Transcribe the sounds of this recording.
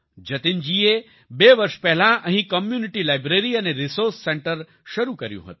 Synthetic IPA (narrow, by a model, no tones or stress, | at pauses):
d͡ʒət̪ind͡ʒie | beʋəɾʃpɛɦlãʔəɦĩkəmjunɪʈilajbɾeɾiəneɾisoɾsːẽɳʈəɾ | ʃəɾukəɾjṵ̃ɦə̰t̪ũ̥